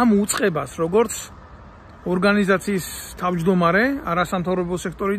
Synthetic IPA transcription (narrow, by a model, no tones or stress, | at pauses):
mut̪sʼqʼɛbasɾɔɡɔɾt̪sʰ | ɔɾɡanizat̪sʰiːst̪ʰavd͡ʒd̪ɔmaɾɛaɾasamt̪ʰavɾɔbɔsɛkʰt̪ʼɔɾi